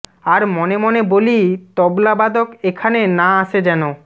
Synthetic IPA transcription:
aɾmɔnemonebolit̪ɔblabad̪okekʰanenaaʃʰed͡ʑɛno

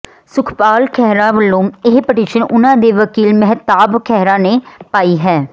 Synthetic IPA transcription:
sʊkʰpaːlkʰɛɦɾãːʋəlːõːɪɦpəʈiːʃənʊnãːd̪eːʋəkiːlmɛɦt̪aːbkʰɛɦɾãːneːpaːiːɦɛː

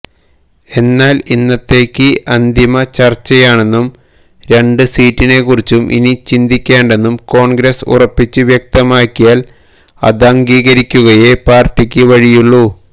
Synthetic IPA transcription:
e̞nːaːlinːɐt̪ːe̞ːkʲːɨʔɐnd̪imɐt͡ɕɐrt͡ɕːɐjaːɳe̞nːum | ɾe̞ɳɖɨsiːtːine̞kːurit͡ɕːumʔḭnit͡ɕind̪ikʲːeːɳɖe̞nːumko̞ːɳɡɾesṵrɐpːit͡ɕːɨʋjek̚t̪ɐmaːkːijaːl | ɐ̰d̪ɐŋɡiːɣɐɾikʲːuɣɐje̞paːrʈːikʲːɨʋɐɻijuɭːu

